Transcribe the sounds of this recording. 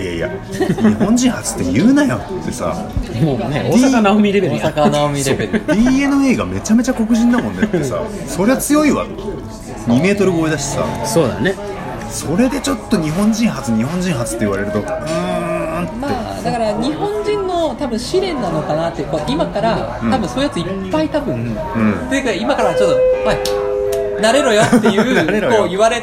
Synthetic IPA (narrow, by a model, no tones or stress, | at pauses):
ijaia̰ɲihõ̞ɲ̟d͡ʑĩɰ̃ɦat͡sɨ̥t̪ːe̞jɯ̟ːnajat̪ːe̞sa̰ond̪iaanamʲiɾebeɾsakanaomʲiebeɾʲiːe̞nɨe̞ːɡame̞t͡ɕame̞t͡ɕako̞kɯ̟ʑĩnːamõ̞nːeesa̰ | so̞ɾe̞βat͡sɨjo̞iβa̰ | ɲ̟ime̞ːt̪o̞ɾɯɡo̞ːid̪aɕi̥e̥sa̰so̞ːd̪a̰ne | so̞ɾe̞d̪e̞t͡ɕo̞t̪ːo̞ɲ̟iɦõ̞ɲ̟d͡ʑĩɰ̃ɦat͡sɨɲ̟iɦõ̞ɲ̟d͡ʑĩɰ̃ɦat͡sɨ̥t̪ːe̞iβa̰ɾe̞ɾɯ̟t̪o̞ɯ̃ | ma | d̪akaɾaɲ̟ihõ̞ɲd͡ʑĩnːo̞t̪abɯ̟̃ɰ̃ɕiɾẽ̞nːano̞kanat̪ːekoimakaɾa | t̪ːabɯ̟̃so̞ːijat͡sɨipːait̪abɯ̟̃n | ɯ̟̃t̪eji̟kaeimakaɾaat͡ɕot̪ːoma | naɾeɾo̞jot̪ːejɯːɾeɾokoːjɯβaɾe